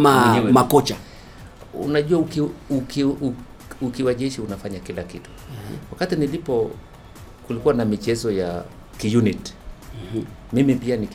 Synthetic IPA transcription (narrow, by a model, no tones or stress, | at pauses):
mamakɔt͡ʃa | ṵnaʄuwaukiuk | ukiwaʄɛʃiunafaɲakilakitu̥wakatinilipɔ | kulikuwanamit͡ʃɛzɔja | kijunit̩ | mimipianik